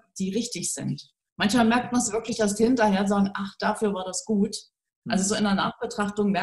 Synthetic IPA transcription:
d̥iːʁɪçtɪçz̥ɪ̰nt | mançmaːlmɛɐk̚t̚mansv̥ɪɐklɪçd̥as̬thɪntɐheːɐzaːɡŋ̩ʔaχd̥aːfyːɐvaːɐdasɡ̥uːt | ʔalzozoːɪnɐna̰ːχb̥ətʁ̥aχtʊŋmɛɐ

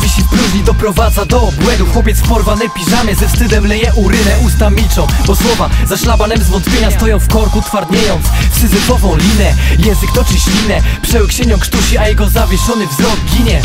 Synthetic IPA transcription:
vʲiɕipɾuʑɲijd̪ɔpɾɔvad̪zad̪ɔbwɛnd̪uxwɔpʲjɛt̪spɔɾvanɛpʲiʐamʲjɛzɛfst̪ɘd̪ɛmlɛjɛʔuɾɪnɛʔust̪amʲit͡ʂɔ̃w̃d̪ɔswɔvazaɕlabanɛmzvɔnt̪pʲeɲast̪ɔjɔ̃w̃fkɔɾkut̪faɾd̪ɲejɔ̃w̃t̪sfsɘzɪkɔvɔ̃w̃lʲinɛjɛ̃zɘkt̪ɔt͡ʂɘɕlʲinɛpʂɛwkɕeɲɔ̃wkʂt̪uɕiajɛɡɔzavʲjɛʂɔnɘvzɾɔɡɡʲiɲɛ

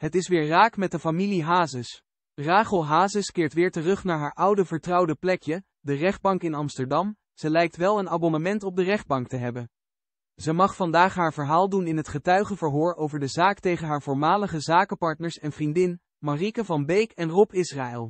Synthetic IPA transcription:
ɦətɪsʋɪːɹraːkmɛt̚dəfamiliɦaːzəs | raːχəlˠɦaːzəskɪːɹtʋɪːɹtərɵχnaːɹɦaːɹʔʌwdəvəɹtrɑwdəplɛkjə | dərɛχd̚bɑŋkɪnɑmstəɹdɑm | z̥əlɛjk̚tʋɛlˠənaːbɔnəmɛntɔb̚dərɛχd̚bɑŋk̚təɦɛbən | zəmɑχfɑndaːχɦaːɹvəɹɦaːlˠdunɪnɦətχətœɥχəvəɹɦʊːɹowvəɹdəzaːktejχənɦaːɹvʊːɹmaːləχəzaːkəpɑɹtnəɹsɛnv̥rindɪn | marikəvɑnbejkɛnrɔpɪsraːɛlˠ

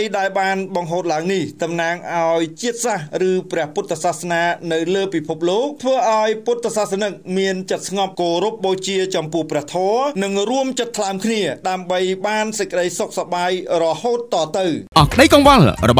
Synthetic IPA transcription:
jɗaɛlɓaːnɓɑŋɦoːt̪̚laəŋniht̪ɑmnaːŋʔaɔjt͡ɕiət̪̚sahrɨːprɛ̆əhput̪ːsahsnaːnɨwləːpipʰup̚loːk̚t̪ʰʋəːʔaɔjput̪ːsasanɨk̚miənt͡ɕət̪̚sŋɑp̚koːɾup̚ɗoːt͡ɕiət͡ɕɑmpʊəhprɛ̆əht̪ʰɔənɨŋruəmt͡ɕət̪ʰːlaəmkʰniəɗaəmɓəjɓaːnsəc̚kə̆ɗəjsok̚saɓaːjrɔhoːt̪ːɑːt̪ɨwʔɑhkɗəjkɑŋʋalrɔɓ

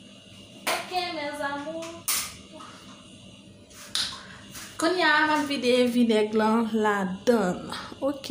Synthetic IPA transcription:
okenɛzamu | kɔniamanvidevinɛɡlãladanok

